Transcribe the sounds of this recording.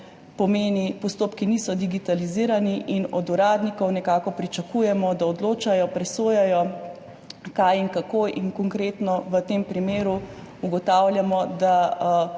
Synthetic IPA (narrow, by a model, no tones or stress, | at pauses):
pɔmeːnipɔst̪oːpkinisɔd̪iɡit̪aliziɾaniʔinɔd̪uɾaːd̪nikɔwnɛkaːkɔpɾit͡ʃakujɛmɔd̪aɔd̪loːt͡ʃajɔpɾɛsoːjajɔ | kajiŋkakoːʔinkɔŋkɾeːt̪nɔʋət̪empɾimeːɾu | uɡɔt̪awlʲjamɔd̪a